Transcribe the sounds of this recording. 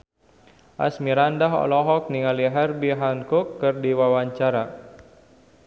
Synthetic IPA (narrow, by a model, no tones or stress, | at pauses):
ʔa̰smiɾandaɦɔ̰lɔɦɔk̚niŋaliɦɛrbiɦaŋkukːɨrdiwawaɲt͡ʃaɾa